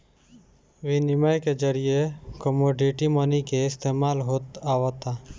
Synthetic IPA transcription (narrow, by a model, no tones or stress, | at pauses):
ʋinɪmajked͡ʒəɾiekəmoːɖɪʈimənikeɪst̪eːmaːlɦoːt̪aːʋat̪aː